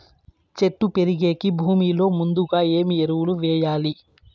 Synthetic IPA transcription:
t͡ʃe̞ʈːupe̞ɾiɡe̞ːkibʱuːmiːlo̞ːmund̪uɡaːe̞ːmieɾuwuluʋɛːjaːli

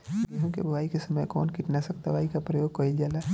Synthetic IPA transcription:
ɡiɦõkebʱɐʋaːikesɐməjkɔ̰ːnkiʈnasɐk̚t̪ɐʋaːikapɾɐjoːɡ̚koild͡ʒaːlaː

